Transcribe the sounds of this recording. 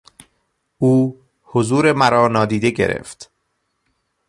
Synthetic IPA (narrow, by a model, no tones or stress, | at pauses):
uː | hozuːɾe̞mæɾɒːnɒːd̪iːd̪e̞ɟe̞̰ɾḛft̪